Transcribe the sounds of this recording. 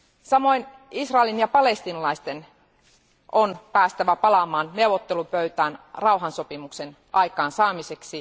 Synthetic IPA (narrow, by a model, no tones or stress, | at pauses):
sɑmo̞in | isrɑelinjɑpɑlest̪inɑlɑist̪en | ʔonpæːst̪æʋæpɑlɑmɑːnneuʋot̪ːelupøyt̪æːnrɑuɦɑnsopimuksen | ʔɑikɑːnsɑːmiseksi